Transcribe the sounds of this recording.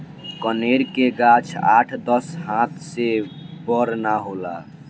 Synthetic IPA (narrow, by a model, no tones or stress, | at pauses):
kəneɾkeɡat͡ʃʰa̰ʈʰd̪əsɦãt̪ʰsebəɾnaɦola̰